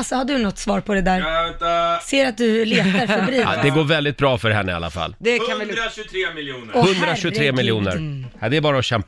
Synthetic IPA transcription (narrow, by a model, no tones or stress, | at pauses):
sɔhadɖɵnɔt̪ːsvɑːɾpʰɔd̪ɛd̪æːɾ | seːɾat̪̚d̪ɵleːt̪aɾabɾḭːd̪ɛɡoːɾvɛld̪ɪt̪̚bɾɑːfœɾɦɛnːəa̰lːa̰fa̰lːd̪ɛkʰanvɪɾːɪjuːɔhɵnd̪ɾaɕɵt̪ʰɾeːmɪljuːnə̰ɾd̪ɛɾbɑːɾaɔɕɛmp